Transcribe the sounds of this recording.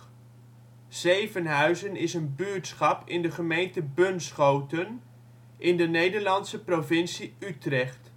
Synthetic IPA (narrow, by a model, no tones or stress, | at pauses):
z̥ejvənɦœɥzənɪsənbyːɹtsχɑpɪndəχəmejntəbɵnsχowtən | ʔɪndənejdəɹlɑntsəprovɪnsiytrɛχt